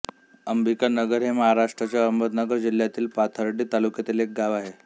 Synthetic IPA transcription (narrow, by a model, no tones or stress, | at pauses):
əmbikanəɡəɾɦeməɦaɾaʂʈɾat͡ɕjaəmbəd̪nəɡəɾd͡ʑil̤jat̪iːlpat̪ʰəɾɖiːt̪alukjət̪elek̚ɡaʋaɦe